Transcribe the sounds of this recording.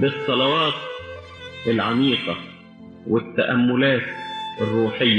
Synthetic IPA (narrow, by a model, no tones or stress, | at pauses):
bɪsˤːɑlɑwɑːt̪̚ | ʔɪlʕamiːqɑ | wɪt̪ːaʔamːʊlaːt̪ɪrːuːħɪjːa